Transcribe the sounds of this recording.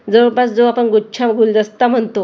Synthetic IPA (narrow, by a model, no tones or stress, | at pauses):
d͡zəbat͡sd͡zoapəɳɡut͡ɕʰamɡʱuld͡zəst̪am̤əɳt̪o